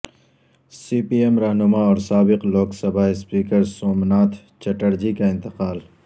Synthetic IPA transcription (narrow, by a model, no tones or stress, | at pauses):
siːpiːemɾaɦnʊmaɔːɾsaːbɪqloːksɐbaːispiːkəɾsoːmnaːt̪ʰ | t͡ʃɐʈəɾd͡ʒikaɪ̃nt̪ɪqaːl